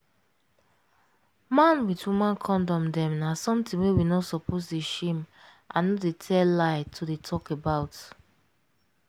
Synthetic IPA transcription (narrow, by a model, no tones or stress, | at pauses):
mãnwitwumãnkʰɔ̃ndɔ̃mdɛ̃mnasɔ̃mtĩwewinɔsɔpʰosdeʃẽm | ʔã̰nːɔdetʰɛllaɪtʰodetʰɔkebaʊt